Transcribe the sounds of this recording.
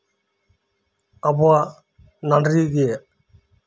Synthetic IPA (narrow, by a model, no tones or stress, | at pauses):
əbwaː | naɳɖɾiːɡeː